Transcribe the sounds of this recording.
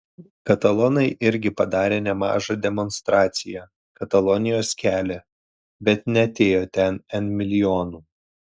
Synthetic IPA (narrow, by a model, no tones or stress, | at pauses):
kɐt̪ɐlˠɔnɐɪʔɪɾʲɡʲɪpɐd̪ɑːɾʲeːnʲɛmɑ̰ːʒɑd̪ʲɛmɔnst̪ɾɑːt̪sʲɪjɛ | kɐt̪ɐlˠɔnʲɪjoːskʲæːlʲɛ | bʲɛt̪nʲɛɐt̪ʲeːjoːt̪ʲɛnɛnmʲɪlʲɪjoːnuː